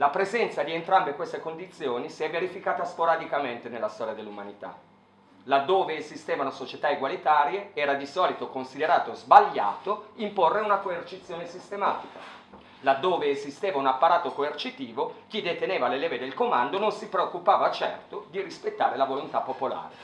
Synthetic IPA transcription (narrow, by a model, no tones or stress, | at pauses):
lapɾezɛnt̪sad̪ient̪ɾambekwest̪ekond̪it̪sːjoːnisiɛvːeɾifikaːt̪aspoɾad̪ikament̪enelːast̪ɔːɾjad̪elːumanit̪a̰ | lad̪ːoːveːzist̪eːvanosot͡ʃet̪aeɡwalit̪aːɾjeɛːɾad̪isɔːlit̪okonsid̪eɾaːt̪ozbaʎːa̰ːt̪oimporːeunakoert͡ʃit̪sjoːnesist̪emaːt̪ika | lad̪ːoːveːzist̪eːvaunapːaɾaːt̪okoert͡ʃit̪iːvok̟id̪ːet̪eneːvaleleːved̪elkomand̪ononsipɾeokːupaːvat͡ʃɛ̰rt̪od̪iɾispet̪ːaːɾelavolont̪apːopola̰ːɾe